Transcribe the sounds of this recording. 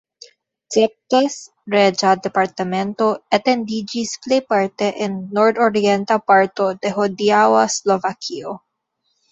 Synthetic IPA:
tɛp̚tes | ɾed͡ʒad̪epaɾt̪ament̪o̞at̪end̪id͡ʒisplejpaɾt̪eʔenːoɾd̪oɾient̪apaɾt̪o̞d̪eɦod̪iawaslovakʰio

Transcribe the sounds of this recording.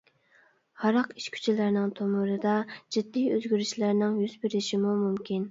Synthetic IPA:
hɑɾɑqi̥ʃkʲʰy̥t͡ʃʰilɪɾnɪŋt̪ʰomʊɾɨd̪ɑd͡ʒid̪ːijøzɡʲyɾyʃlæɾnɪŋjyz̥bɪɾɪʃimumumkʲin

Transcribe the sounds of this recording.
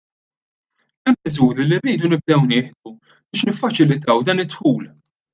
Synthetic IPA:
ɛmːɪzuːɾilirːiːd̪unɪb̚d̪ɛwnɪːħd̪u | bɪːʃnɪfːɐt͡ʃɪlɪt̪ɐwd̪ɐːnɪt̪ːħuːl

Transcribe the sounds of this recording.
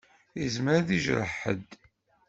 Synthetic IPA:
izmɾaðiʒɾə̰ħə̰d̪

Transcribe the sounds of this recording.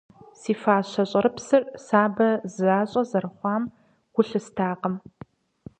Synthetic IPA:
siːfaːɕɐɕʼɐɾɨpsɨrsaːbɐzaːɕʼɐzɐrɨχʷɑːm | ɡ̥ʷʊɬɨstʰaːqəm

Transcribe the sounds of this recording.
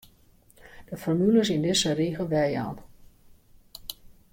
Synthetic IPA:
d̥əfɔrmyləsɪndɪsəriːɣəlˠʋɛja̰ːn

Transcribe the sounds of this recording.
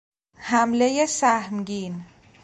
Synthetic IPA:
hæmlejesæhmɡiːn

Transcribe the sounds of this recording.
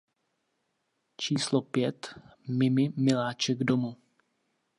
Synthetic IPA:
t͡ʃiːslopjɛt̪mɪmɪmɪlaːt͡ʃɛɡdomu

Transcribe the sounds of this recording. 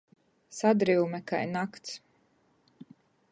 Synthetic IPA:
sad̪ɾiwmɛka̰jnakt̪s

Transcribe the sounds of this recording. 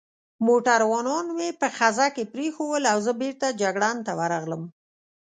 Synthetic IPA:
moʈaɾwɑnɑnmepəxazakepɾexowəlawzəbeɾt̪ad͡ʒaɡɽant̪awaɾaɣləm

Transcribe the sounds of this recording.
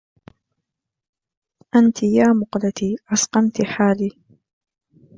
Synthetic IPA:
ʔant̪ɪjaːmʊqlat̪iːʔɑsqɑmt̪ɪħaːliː

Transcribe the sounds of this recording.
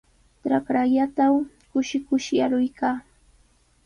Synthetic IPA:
ʈ͡ʂɾakɾaʎat̪aw | kʊʃɪkʊʃjaɾʊjkaː

